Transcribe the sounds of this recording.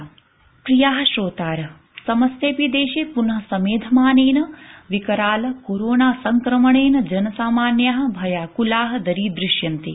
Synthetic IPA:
kɾijaːɦɐ̆ʃɾoːt̪aːɾɐ | sɐmɐst̪eːpid̪eːʃeːpunɦɐsɐmeːd̪ʱɐmaːneːnɐʋikɐɾaːlɐkoːɾoːnaːsɐŋkɾɐmɐɳeːnɐd͡ʒɐnɐsaːmaːnjaːɦɐ̆bʱɐjaːkulaːɦɐ̆d̪ɐɾiːd̪ɾɪʃjɐnt̪i

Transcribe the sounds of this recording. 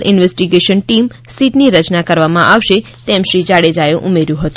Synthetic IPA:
ɾɪ̰nʋesʈiɡeʃənʈim | siʈniɾət͡ʃnakəɾʋamãʔaʋʃe | t̪ɛmʃɾid͡ʒaɽed͡ʒajoʔumeɾjũɦət̪ũ̥

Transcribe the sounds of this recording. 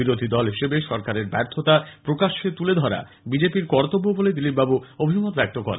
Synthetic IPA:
iɾod̪ʱid̪ɔlɦiʃebeʃɔɾkaɾeɾbɛɾt̪ʰot̪apɾokaʃet̪uled̪ʱɔɾa̰ | bid͡ʑepiɾkɔɾt̪obːoboled̪ilip̚babuobʱimot̪bɛk̚t̪okɔ̰ɾḛ

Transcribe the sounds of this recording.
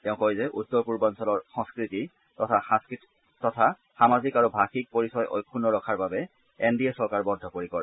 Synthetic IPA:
tɛʊ̃kojzɛʔutːɔɹpuɹbɔnsɔlɔɹxɔ̃ŋskɹiti | tɔtʰaas | tɔtʰa | xamazikaɹubʱaxik̚poɹisɔjʔo̰jkʰːunːɔɹɔkʰaɹbabɛ | endiesɔɹkaɹbɔndʱɔpoɹikɔɹ

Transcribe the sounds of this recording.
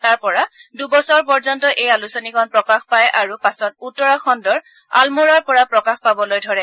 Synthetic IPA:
taɹpɔɹadubɔsɔɹpɔɹzɔntɔʔejalusɔnikʰɔnpɹɔkaxpajʔaɹupasɔt̚utːɔɹakʰɔndɔɹ | a̰lmoɹaɹpɔɹapɹɔkaxpabɔlojdʱɔɹɛ

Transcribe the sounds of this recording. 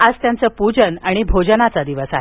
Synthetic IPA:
ad͡zt̪jant͡səpud͡ʑənaɽ̃ibʱod͡ʑənat͡sad̪iʋəsaɦe

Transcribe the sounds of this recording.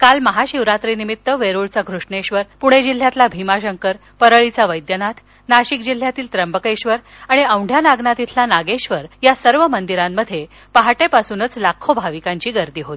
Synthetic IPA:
kalməɦaɕiʋɾat̪ɾinimit̪ːəʋeɾuɭt͡saɡʱɾuʂɳeɕʋəɾpuɽ̃ed͡ʑil̤ːjat̪labʱimaɕəŋkəɾ | pəɾəɭit͡saʋəjd̪jənat̪ʰ | naɕik̚d͡ʑil̤ːjat̪iːlt̪ɾəmbəkeɕʋəɾ | aɽ̃iə̃wɳɖʱjanaɡnat̪it̪ʰlanaɡeɕʋəɾjasəɾʋəmənd̪iɾamːəd̪ʱːje | paɦaʈepasuːnət͡slakʰːobʱaʋikaɲt͡ɕiːɡəɾd̪iːɦot̪

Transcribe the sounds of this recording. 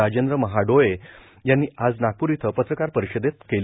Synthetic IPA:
ad͡ʑend̪ɾəməɦaɖoje | janːiːad͡znakuɾit̪ʰəpət̪ɾəkaɾpəɾiɕəd̪et̪̚kel

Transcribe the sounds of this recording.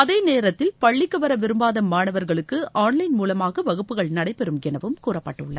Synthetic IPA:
ɐðeːneːɾɐt̪ːɪlpɐɭːɪkːɐʋɐɾɐʋɪɾɯmbaːðɐmːaːɳɐʋɐɾɣɐɭɯkːɯaːnlɐɪnmuːlɐmaːɣɐʋɐɣɯpːɯɣɐɭnɐɽɐɪpɛɾɯmɡɛnɐʋɯmkuːrɐpːɐʈːɯɭːɐ

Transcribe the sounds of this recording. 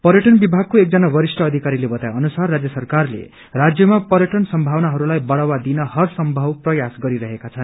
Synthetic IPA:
pʌɾjʌʈʌnbibʱaɡ̚koek̚d͡zʌnabʌɾisʈʌːd̪ʱikaɾilebʌt̪ajʌnusarːad͡zjʌsʌrkarlḛ | rad͡zjʌmapʌɾjʌʈʌnsʌmbʱawnaɦʌɾulajbʌɽawad̪inʌɦʌrsʌmbʱʌwprʌjasɡʌɾiɾʌɦekat͡sʰʌn

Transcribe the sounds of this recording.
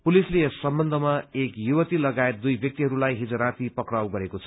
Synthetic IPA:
pulisleesːʌmbʌnd̪ʱʌmaekjuwʌt̪ilʌɡajet̪̚d̪ujbjʌk̚t̪iɦʌɾulajɦid͡zaɾat̪ipʌkrawɡʌɾekot͡sʰʌ

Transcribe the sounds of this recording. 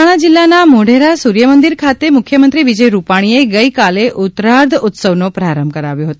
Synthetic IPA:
aɽ̃ad͡ʒɪlːanamoɖ̤ʱeɾasuɾjəmənd̪iɾkʰat̪emʊkʰjəmənt̪ɾiʋid͡ʒəjɾupaɽ̃ieɡəjkaleʔʊt̪ɾaɾd̪ʱʊt̪səʋnopɾaɾəmbʱkəɾa̰ʋjõɦət̪

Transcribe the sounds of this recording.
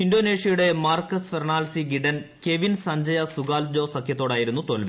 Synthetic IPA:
indo̞ːne̞ːʂjɐjuɽe̞maːrkːɐsferɳaːlsiɡiɖɐnke̞ʋinsɐɲd͡ʑɐjɐsuɡaːld͡ʑo̞ːsɐkʰjɐt̪ːo̞ːɽaːjiɾun̪ːut̪olʋi

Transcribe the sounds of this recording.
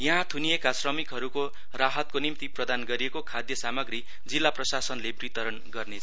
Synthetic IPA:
jʌɦãt̪ʰuniekasrʌmikɦʌɾuko | raɦʌt̪̚konimt̪iprʌd̪anɡʌɾiekokʰad̪jʌsamʌɡri | d͡zilːaprʌsasʌnlebrit̪ʌɾʌnɡʌrnet͡sʰ

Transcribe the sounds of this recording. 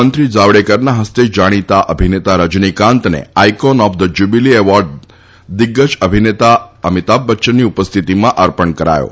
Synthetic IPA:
ənt̪ɾid͡ʒaʋɽekəɾnaɦəst̪ed͡ʒaɽ̃it̪aʔəbʱinet̪aɾəd͡ʒnikãnt̪nḛajkɔnɔfd̪əd͡ʒubilieʋɔɾɖ | d̪ɪɡːəd͡ʒəbʱinet̪aəmit̪abːətːʃəniupəst̪ʰit̪imãʔəɾpəɳkəɾa̰jo̰

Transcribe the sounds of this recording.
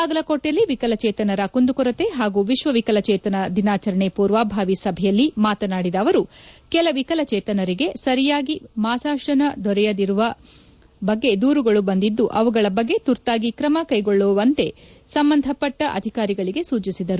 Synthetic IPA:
aːɡɐlɐkoːʈːɐlːiʋikɐlɐt͡ʃɛːt̪ɐnɐɾɐkund̪ukɔɾɐt̪e̞ɦaːɡuːʋiʃʋɐʋikɐlɐt͡ʃɛːt̪ɐnɐd̪inaːt͡ʃɐɾɐɳepuːɾʋaːbʱaːʋisɐbʱɛjɐlːimaːt̪ɐnaːɽid̪ɐːʋɐɾukɛlɐʋikɐlɐt͡ʃɛːt̪ɐnɐɾiɡe̞sɐɾijaːɡimaːsaːʂɐnɐd̪ʱɔɾɛjɐd̪iɾuʋɐ | bɐɡːe̞d̪uːɾuɡɐɭubɐnd̪id̪ːuʔɐʋuɡɐɭɐbɐɡːe̞t̪uɾt̪aːɡikɾɐmɐkɐjɡoɭːɔːʋɐnt̪e̞ | sɐmbɐnd̪ʱɐpːɐʈːɐʔɐ̰d̪ʱikaːɾiɡɐɭiɡe̞suːt͡ʃisid̪ɐɾu

